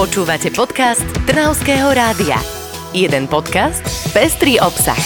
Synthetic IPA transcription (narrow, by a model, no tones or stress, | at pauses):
pɔt͡ʃuːʋacɛpɔt̪kast̪ːr̩naʊskɛːɦɔɾaːd̪ia̰ | jɛd̪ɛnpɔt̪kast̪pɛst̪ɾiːʔɔpsa̰x